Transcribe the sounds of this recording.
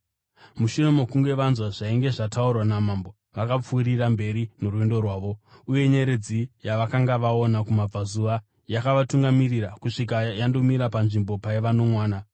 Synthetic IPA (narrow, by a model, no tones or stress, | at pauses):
muʃino̞mo̞kuŋɡe̞ʋanzwaʐaiŋɡe̞ʐataurwanamambo̞ | ʋakap͡fuːɾirambe̞ɾinoruendo̞rwaːʋo̞uje̞ɲe̞ɾed͡zijaʋakaŋɡaʋao̞nakumab͡vazuʋa | jakaʋatuŋɡamirirakuʂik̬ajando̞miɾapanʐimbo̞paiʋano̞mwaːna